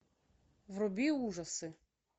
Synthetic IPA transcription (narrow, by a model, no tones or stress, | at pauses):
wrɔbʲiuʒɐsɪ